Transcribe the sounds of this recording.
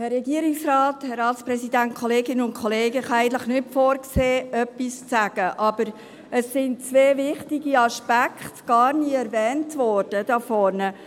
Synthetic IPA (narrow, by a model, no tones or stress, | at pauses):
hɛrːɛɡiəɾɪksrɑːthɛɾɑːtspɾɛsidæntkχɔleːɡɪnəʊnkʰɔleːɡəχɑæɪɡən̩tləχnɪtfɔːɾkseːœpːist͡sæɡ̥əʔɑb̥əɾ | əsːɪnt͡sʋeːvɪχtiɡiɑʃpækχtɡ̥ɑːɾniɛɾvɛːntvɔɾd̥əd̥ɑfɔɾnə